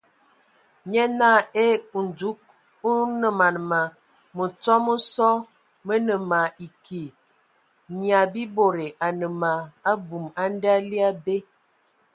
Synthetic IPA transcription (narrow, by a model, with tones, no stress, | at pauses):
ɲɛ˦na˦˨e˦u˨n˨d͡zu˨˦k̚ | u˦nə˨ma˨n˨ma˨ | mə˨t͡sɔ˦mə˦sɔ˦ | mə˦nə˨ma˨i˨ki˨ | ni˨a˨bi˦bo˨ɾe˨ʔa˨nə˨ma˨a˦bu˨ma˦n˦da˦li˦a˦be˦